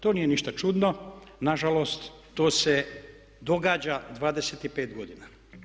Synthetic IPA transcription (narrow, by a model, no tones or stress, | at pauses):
t̪oːnije̞niʃt̪at͡ʃud̪nonaʒalo̞ːst̪ː | oːse | d̪o̞ɡaːd͡ʑad̪ʋaːd̪eseːt̪ipeːt̪ɡo̞d̪ina